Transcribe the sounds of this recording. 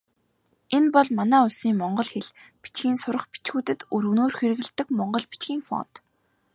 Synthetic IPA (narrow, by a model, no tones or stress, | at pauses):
enpɔɮmanæːʊɮsiːŋmɔɴɢɞ̆ɮxeɮpi̥t͡ɕɡiːnsʊɾə̆χpi̥t͡ɕɡuːt̪ɘ̆t̪ɵɾɣnoːrxeɾɘ̆ɣɘ̆ɮt̪ːɘ̆kmɔɴɢɞ̆ɮpi̥t͡ɕɡʲiːŋfɔ̰n̥t̪